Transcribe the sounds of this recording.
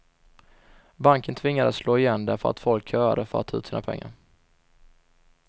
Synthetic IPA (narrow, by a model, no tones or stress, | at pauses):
baŋkənt̪ʰvɪŋːad̪at̪sloːɪjɛnːd̪æfœɾa̰t̪fɔlkhœːɾad̪əfœɾat̪ʰːɑʉ̟t̪siːnapʰɛ̰ŋːa̰ɾ